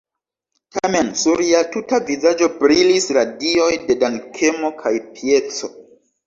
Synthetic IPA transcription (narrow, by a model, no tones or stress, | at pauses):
tʰame̞nsuɾiatutavizad͡ʒo̞bɾilisɾadio̞jde̞dankʰemokʰajpʰiet͡so